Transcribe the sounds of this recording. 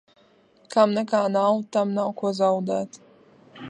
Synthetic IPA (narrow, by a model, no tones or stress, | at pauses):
kamnɛkaːnawt̪amnawkuɔzawd̪æːt̪